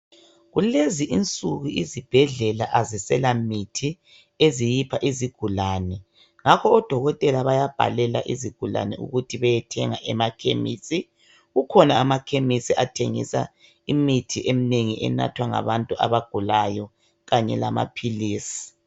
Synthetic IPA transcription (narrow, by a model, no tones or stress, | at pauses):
ɣuleziʔint͡sʼuɣuʔizib̥ʱɛɮɛla̰ʔazisɛlamitʰi | ezijipʰaʔiziɡ̥ʱulaːnɛ | ŋakʰɔːd̥ʱɔɣɔtʼɛlaβajab̥ʱa̰lɛlaʔiziɡ̥ʱula̰nɛṵɣutʰiβɛjɛtʰɛŋaʔɛmakʰḛmḭːsi | ɣukʰɔnaːmakʰemisiatʰeŋḭsa̰ | imitʰiʔemineŋiʔɛ̰na̰tʰwaŋa̰βantʼuʔa̰βaɡ̥ʱulajɔ | ɣaɲɛ̰lama̰pʰiliːsi̥